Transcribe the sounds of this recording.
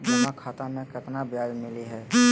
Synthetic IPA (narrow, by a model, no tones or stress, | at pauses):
mɐɦakʰaːt̪amẽkɪt̪nabjaːd͡ʒmɪliɦɛː